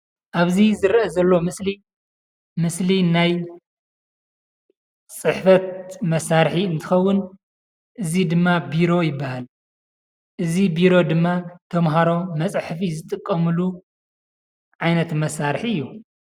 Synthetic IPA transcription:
ʔaβzizɨɾʔɐzɐlːo̞mɨsli | mɨslinaj | t͡sʼɨħfɐt̪̚mɐsaɾħiɨnt̪ʰɨxɐwːʊn | ʔɨzid̪ɨmːabiɾo̞jɪbːahal | ʔɨzibiɾo̞d̪ɨmːat̪ʰɐmɦaɾo̞mɐt͡sʼħfizɨt̪ʼɨkʼːɐmɨlu | ʕajnɐt̪mɐsaɾħiɨjːu

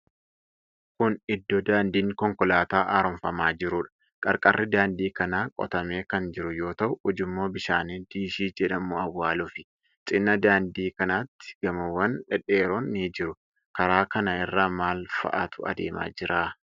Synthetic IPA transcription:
kʊnɪd̪ːɔd̪aːnd̪iːŋkɔŋkɔlaːt̪aːʔaːɾɔmfɐmaːd͡ʒɪɾʊᶑɐ̥ | kʼɐɾkʼɐrːɪd̪aːnd̪iːkɐnaːkʼɔ̰t̪ɐme̞ːkɐnd͡ʒɪɾʊjo̞ːt̪ɐʔʊɔd͡ʒɪmːo̞ːbɪʃaːniːd̪̥iːʃiːd͡ʒɛᶑɐmuɐwːaːlʊfɪ | t͡ʃʼɪnːɐd̪aːnd̪iːkɐnat̪ːɪ̥ɡ̥ɐmɐwːɐnᶑɛᶑeːɾoːnːiːd͡ʒɪɾʊ | kɐɾaːkɐnɐɪrːaːmaːlfɐ̰ʔat̪ʊɐ̰d̪eːma̰ːd͡ʒɪɾaː

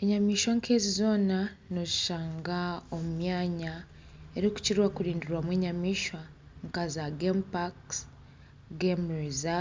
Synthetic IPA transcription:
eɲamiːʃwaŋkʰe̞ːzizo̞ːna | nozi̥ʃaːŋɡaomumjaːɲa | eɾiku̥ciɾwakuɾiːndiɾwamwe̞ːɲamiːʃwa | ŋkazaɡempaks | ɡemɾiza

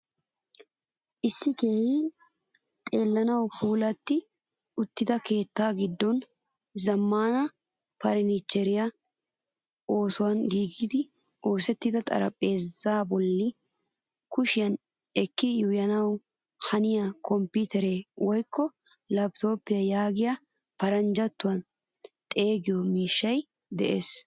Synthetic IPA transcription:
ʔɪsːɪke̞ːhɪ | t̪ʼe̞ːlːɐnɐwpuːlɐt̪ːɪ | ʊt̪ːɪd̪ɐke̞ːt̪ːaːɡɪd̪ːɔn | zɐmːaːnɐ | pɐɾnit͡ʃːɛɾɪjɐ | o̞ːsʊwɐnɡiːɡiːd̪ɪʔo̞ːsɛt̪ːɪd̪ɐt̪ʼɐ̰ɾɐ̰pʼe̞ːzːaːbɔlːɪ | kʊʃɪjɐn | ɛkːɪjʊjɐnɐw | hɐnɪjakʰɔmpit̪ɛɾeːwɔjkːɔ | lɐbt̪o̞ːpːɪjɐjaːɡɪja | pɐɾɐnd͡ʒɐt̪ːʊwɐn | t̪ʼe̞ːɡɪjɔmiːʃːɐj | d̪ɛʔeːs

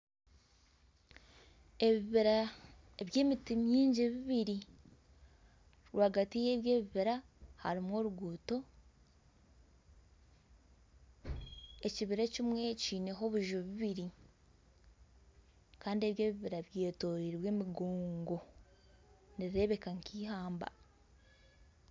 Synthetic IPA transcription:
e̞βiβiɾa | eβje̞ːmitimjiːɲɟeβiβiɾi | ɾwaːɡatije̞βje̞ːβiβiɾa | ha̰ɾimwo̞ːɾuɡuːto̞ | e̞ciβiɾecimwe̞ciːne̞ɦo̞βuʒoβiβiɾi | kaːndieβjeːβiβiɾaβje̞ːto̞ɾiɾβwe̞ːmiɡo̞ːŋɡo̞ | niɾie̞βe̞kaŋkiːhaːmba̰

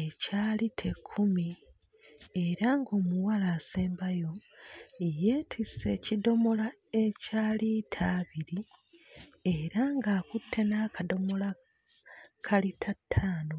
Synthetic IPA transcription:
ecaːlitʰe̞kʰːumi | e̞ɾaŋɡo̞ːmuwalaːseːmbajo̞ | jeːtʰise̞cido̞mo̞la | e̞caːlitʰaːβiɾi | eɾaŋɡaːkutʰːe̞naːkado̞mo̞la | kʰalitʰatʰːaːno

